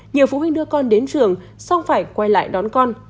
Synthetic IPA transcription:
ɲi˨˩əwfu˧˦hi˧ŋ̟ɗɨ˧əkɔ˧nɗe˨˦nt͡ɕɨ˨˩əŋ | sa˧wŋ͡mfaː˧˩jkwaː˧jla̰ː˧˨jɗɔ˨˦nkɔ˧n

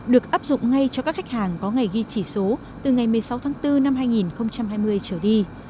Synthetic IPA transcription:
ɗɨ˨˩ək̚ʔaː˦˥p̚zʊ̰˧˨ŋ͡mŋa˧jt͡ɕɔ˧kaː˦˥k̚xa˦˥k̚haː˨˩ŋkɔ˨˦ŋa˨˩jɣi˧t͡ɕi˧˩so˨˦ | t̪ɨ˨˩ŋa˨˩jmɨ˨˩əjsa˨˦wt̪ʰaː˨˦ŋt̪ɨ˧na˧mɦaː˧jŋi˨˩nxə˧wŋ͡mt͡ɕa˧mɦaː˧jmɨ˧əjt͡ɕəː˧˩ɗi˧

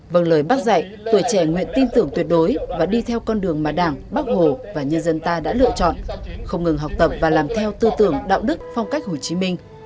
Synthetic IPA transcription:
və˨˩nləː˨˩jɓa˦˥k̚za̰˧˨j | t̪u˧˩əjt͡ɕɛ˧˩ŋwḭ˧˨ənt̪i˧nt̪ɨ˨˩əŋt̪wi˨˩ət̚ɗo˨˦jvaː˨˩ɗi˧t̪ʰɛ˧wkɔ˧nɗɨ˨˩əŋmaː˨˩ɗaː˧˩ŋɓa˦˥k̚ho˨˩vaː˨˩ɲə˧nzə˧nt̪aː˧ɗa̰ː˧˥lɨ̰˧˨ət͡ɕɔ̰˧˨nxə˧wŋ͡mŋɨ˨˩ŋɦa˨˩wk͡p̚t̪ə˨˩p̚vaː˨˩laː˨˩mt̪ʰɛ˧wt̪ɨ˧t̪ɨ̰˧˩əŋɗa̰ː˧˨wɗɨ˦˥k̚fwŋ͡mka˦˥jk̚ɦo˨˩t͡ɕi˨˦mï˧ŋ̟

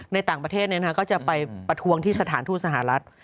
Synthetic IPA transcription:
na˧jt̪aː˨˩ŋpɾt̪ʰeː˥˩t̪̚ni˥˩˧a˥kɔː˥˩t͡ɕa˨˩pa˧jpɾa˧t̪ʰu˧əŋt̪ʰiː˥˩sa˧t̪ʰaː˩˦nt̪ʰuː˥˩t̚sa˧˩ɦa˩˦ɾa˦˥t̪̚

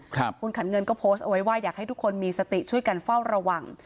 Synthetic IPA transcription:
kʰu˧nkʰa˩˦nŋɤ˧nkɔː˥˩pʰo˦˥st̪ʔa˧wa˦˥jwaː˥˩jaː˨˩k̚ha˥˩jt̪ʰu˦˥kʰːo˧nmiː˧sa˧t̪i˨˩t͡ɕʰu˥˩əjka˧nfa˥˩wɾa˧wa˨˩ŋ

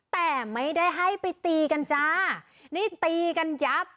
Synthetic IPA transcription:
t̪ɛː˨˩ma˥˩jda˥˩jɦa˥˩jpa˧jt̪iː˧ka˧nt͡ɕaː˧˥ | niː˥˩t̪iː˧ka˧nja˦˥p̚

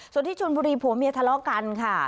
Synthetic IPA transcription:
su˨˩ənt̪iː˥˩uː˧nbuː˧ɾiː˧pʰuː˨˩˦mi˧ət̪ʰa˧lɔː˦˥ka˧nkʰa˥˩

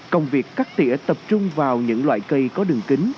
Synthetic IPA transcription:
kə˧wŋ͡mvi˨˩əkːaː˦˥k̚t̪ḭ˧˥ət̪ə˨˩p̚t͡ɕʊ˧ŋ͡mvaː˨˩wɲɨ̰˧˥ŋlwa̰ː˧˨jkə˧˩jkɔ˨˦ɗɨ˨˩ŋkï˨˦ŋ̟

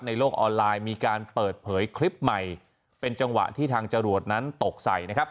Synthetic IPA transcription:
p̚na˧jloː˥˩k̚ʔɔː˧nlaː˧jmiː˧kaː˧npɤː˨˩t̪̚pʰɤː˩˦jkʰli˦˥p̚ma˨˩j | pe˧nt͡ɕa˧ŋwa̰˨˩ʔt̪ʰiː˥˩t̪ʰaː˧ŋt͡ɕa˧ɾu˨˩ət̪̚na˦˥nt̪o˨˩k̚sa̰˨˩jna˦˥kʰa˦˥p̚

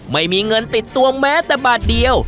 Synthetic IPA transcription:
ma˥˩jmiː˧ŋɤ˧nt̪i˨˩t̪ːu˧əmmɛː˦˥t̪ɛː˨˩baː˨˩t̪̚di˧əw

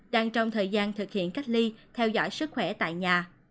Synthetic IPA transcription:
ɗaː˧ŋt͡ɕɔ˧wŋ͡mt̪ʰəː˨˩jzaː˧nt̪ʰɨ˨˩k̚hḭ˧˨ənka˦˥jk̚li˧t̪ʰɛ˧wzɔ̰˧˥jsɨ˦˥k̚xwɛ˧˩t̪a̰ː˧˨jɲaː˨˩

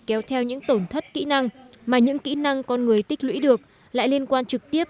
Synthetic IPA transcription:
kɛ˨˦wt̪ʰɛ˧wɲɨ̰˧˥ŋt̪o˧˩nt̪ʰə˦˥t̚kḭ˧˥na˧ŋ | maː˨˩ɲɨ̰˧˥ŋkḭ˧˥na˧ŋkɔ˧nŋɨ˨˩əjt̪i˦˥k̟̚lwḭ˧˥ɗɨ˨˩ək̚ | la̰ː˧˨jli˧ənkwaː˧nt͡ɕɨ˨˩k̚t̪i˦˥əp̚

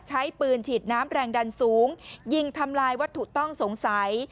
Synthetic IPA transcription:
t͡ɕʰa˦˥jpɯː˧nt͡ɕʰiː˨˩t̪̚naː˦˥mɾɛː˧ŋda˧nsuː˩˦ŋji˧ŋt̪ʰa˧mlaː˧jwa˦˥t̪ʰːu˨˩k̚t̪ɔ˥˩ŋso˩˦ŋsa˩˦j

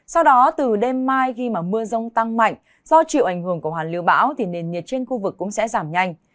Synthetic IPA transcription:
sa˧wɗɔ˨˦t̪ɨ˨˩ɗe˧mːaː˧jxi˧maː˨˩mɨ˧əzə˧wŋ͡mt̪a˧ŋma̰˧˨jŋ̟ | z̥ɔ˧t͡ɕḭ˧˨wʔa˧˩jŋ̟hɨ˧˩əŋku˧˩əɦaː˨˩lḭ˨˦əwɓa̰ː˧˥wt̪ʰi˨˩ne˨˩nːi˨˩ət̚t͡ɕe˧nxu˧vɨ˨˩kːʊ̰˧˥ŋ͡msɛ̰˧˥zaː˧˩mɲa˧jŋ̟

